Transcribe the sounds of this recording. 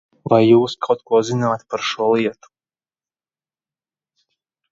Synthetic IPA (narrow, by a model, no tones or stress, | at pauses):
vajːuːskʰawt̪̚kuɔzinaːt̪paɾʃuɔlˠiɛt̪u̥